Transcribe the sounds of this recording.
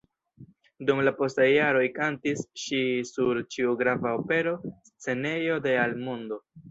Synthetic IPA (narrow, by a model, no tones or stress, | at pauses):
dumlapo̞stajːaɾo̞jkantisʃisuɾt͡ʃiuɡɾavao̞pe̞ɾo̞st͡se̞ne̞jo̞de̞almondo̞